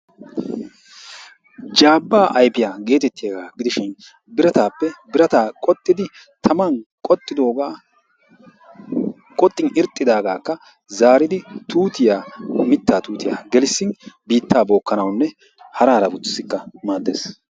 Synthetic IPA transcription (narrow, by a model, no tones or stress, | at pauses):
d͡ʒaːbːaːʔɐjpɪjaːɡe̞ːt̪ɛt̪ːɪjaɡaːɡɪd̪ɪʃɪn | bɪɾɐt̪aːpːɛbɪɾɐt̪aːkʼɔt̪ʼːɪd̪ɪ | t̪ʰɐmɐnkʼɔt̪ʼːɪd̪o̞ːɡaː | kʼɔt̪ʼːɪnɪɾt̪ʼːɪd̪aːɡaːkːɐ | zaːɾɪd̪ɪt̪uːt̪ɪjaːmɪt̪ːaːt̪uːt̪ɪja̰ːɡɛlɪsːɪnbiːt̪ːaːbo̞ːkːɐnɐwnːɛ | hɐɾaːɾɐbʊɪ̥sːɪkːɐmaːd̪ːḛːs